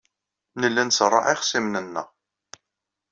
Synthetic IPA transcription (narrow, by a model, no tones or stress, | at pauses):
nəlːænsɾˤːɑ̰ʕɪχsimnənːə̰ʁ